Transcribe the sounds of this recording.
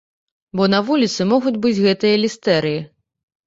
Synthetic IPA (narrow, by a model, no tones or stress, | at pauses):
bɔnɐvulʲit̪sɨmɔɣud͡zʲbɨd͡zʲɣɛt̪ɨjɐlʲist̪ɛɾɨji